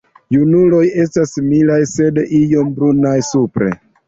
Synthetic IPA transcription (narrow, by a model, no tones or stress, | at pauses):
junulo̞je̞s̬tasimilajse̞dijo̞mbɾunajsupɾḛ